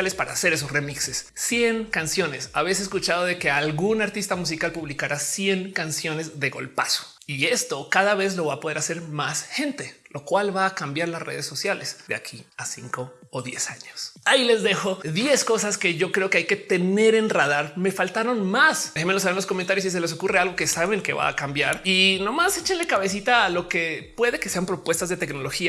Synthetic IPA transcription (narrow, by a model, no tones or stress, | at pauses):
lespaɾaːse̞ɾe̞s̬osre̞miksesːjeŋkansjo̞ne̞saβejs̬eskut͡ʃað̞o̞ð̞e̞ke̞alɣunaɾt̪ist̪amus̬ikalpuβlikaɾasje̞ŋkansjo̞ne̞zðe̞ɣo̞̰lpaso̥ | ie̞st̪o̞kaðaβe̞zlo̞βapo̞ð̞e̞ɾase̞ɾmasxẽ̞nt̪elo̞kwalβaːkambjaɾlasre̞̰ð̞esːo̞sjalesd̪ea̰kʰiasiŋko̞ː | ðje̞saɲosaile̞zðe̞xo̞ðje̞sko̞saske̞ʝo̞kɾe̞o̞keajke̞t̪e̞ne̞ɾe̞nraðaɾme̞falt̪aɾo̞nmaseemelos̬aβenloskomẽnt̪aɾjosis̬e̞leso̞kurealɣo̞ke̞saβe̞ŋke̞βa̰ːkambjaɾino̞mase̞t͡ʃenle̞kaβe̞s̬it̪alo̞ke̞pwe̞ðe̞ke̞se̞ampɾo̞pwe̞st̪azðe̞t̪e̞kno̞lo̞xia